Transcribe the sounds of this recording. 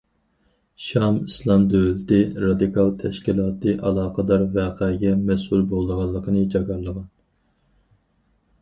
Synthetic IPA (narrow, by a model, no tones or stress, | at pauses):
ʃɑmislˠɑmd̪ølɪt̪ɪɾɑd̪ɨkʰɑlˠt̪ʰɛʃkʲilˠɑːt̪ʰɨʔɑlˠɑːqəd̪ɑɾvæqʰɛɡʲɛmɛsulbolˠːəʁɑlˠːəqʰənɨd͡ʒɑɡɑɾlˠəʁɑn